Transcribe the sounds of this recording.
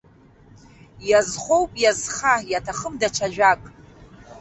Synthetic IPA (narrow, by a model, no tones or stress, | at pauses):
jazχʷo̞wpʼjazχajatʰaχəmdat͡ʃʰaʒᶣʷakʼ